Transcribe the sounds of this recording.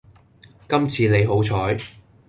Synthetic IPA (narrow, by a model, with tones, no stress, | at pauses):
kɐ˥mt͡sʰiː˧ne˨˧jɦo˨˥wt͡ʃʰɔː˨˥j